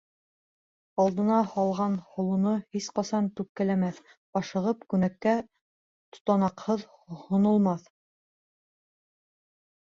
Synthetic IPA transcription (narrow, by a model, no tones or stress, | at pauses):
ɑlˠd̪ɤ̆nɑhɑlˠʁɑnhŏlˠŭnɤhisqɑsɑnt̪ʉp̚kːælæmæθ | ɑʃɤ̆ʁɤpkʉnækːæ | t̪ŏ̥t̪ɑnɑqhɤð | hŏnŏlˠmɑθ